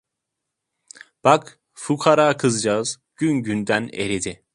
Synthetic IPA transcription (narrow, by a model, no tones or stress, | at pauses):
b̥ak | fukʰaɾaːkʰɯzd͡ʒaz | ɟ̥ynɟynd̪ænḛɾed̪i